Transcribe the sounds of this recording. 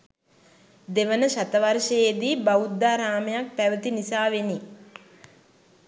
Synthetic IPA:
d̪eʋənəʃat̪əʋarʃəjed̪iːbaud̪ːaːɾaːməjak̚pæʋət̪inisaːʋeni

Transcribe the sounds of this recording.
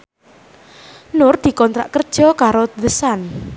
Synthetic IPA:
nʊrd̪̥i̤kɔnt̪ɾa̰ʔkərd̥ʒ̥ɔ̤kaɾoðəsan

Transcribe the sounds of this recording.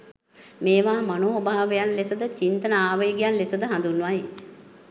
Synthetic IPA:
meːʋaːmanoobaːʋejanlesəd̪ət͡ʃint̪ənəaːʋəjɡijanlesəd̪əɦãnd̪unːʋaj

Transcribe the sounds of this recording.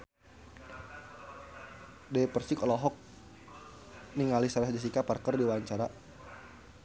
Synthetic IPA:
dɛjpərsikɔlɔɦɔk̚ | niŋalisaɾasad͡ʒas̬ikaparkərdiwaɲt͡ʃaɾa

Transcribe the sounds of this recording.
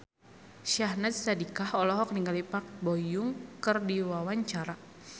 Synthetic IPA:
ʃiahnatsadikahɔlɔɦɔkniŋɡalipak̚bɔjʊŋkərdiwawaɲt͡ʃaɾa

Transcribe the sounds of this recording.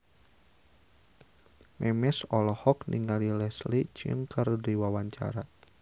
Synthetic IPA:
mɛmɛsɔlɔhɔkniŋalilɛslit͡ʃə̰ŋkʰɨrdiwawaɲt͡ʃa̰ɾa

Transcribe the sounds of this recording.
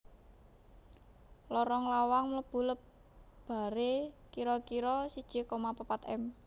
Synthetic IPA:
lɔɾɔŋlawaŋmləb̥ṳləb | b̥a̤ɾekiɾɔkiɾɔsid̥ʒ̥i̤komapəpat̪ɛ̰m

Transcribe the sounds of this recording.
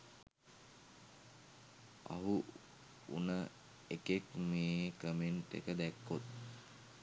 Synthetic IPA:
a̰ɦu | ṵnə | ekekmeːkəmenʈḛkəd̪ækːot̪̚

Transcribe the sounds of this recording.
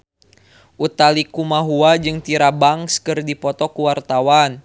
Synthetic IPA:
ʔut̪alikumaɦuad͡ʒɨŋt̪iɾabaŋskɨrdipɔt̪ɔkuwart̪awan

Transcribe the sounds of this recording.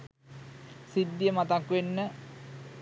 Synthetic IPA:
sid̪ːjəmat̪akʋenːə

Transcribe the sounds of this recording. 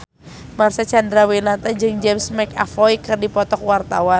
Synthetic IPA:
marsat͡ʃandɾawilat̪ad͡ʒɨŋd͡ʒɛmsmɛka̰fɔikɨrdipɔt̪ɔk̚wart̪awa

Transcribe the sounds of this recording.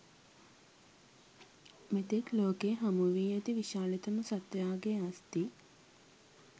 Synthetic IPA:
met̪ekloːkeːɦamuʋiːɐt̪iʋiʃaːlet̪əmusat̪jaːɡeast̪i

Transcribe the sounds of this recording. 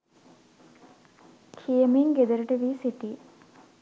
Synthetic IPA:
kʰijəmeŋɡed̪əɾəʈəʋiːsiʈi

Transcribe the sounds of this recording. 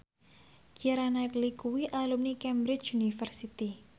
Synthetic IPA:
ɡ̥iɾanait̪likuwiʔalumnikɛmbɾɪt͡ʃunifərsit̪i

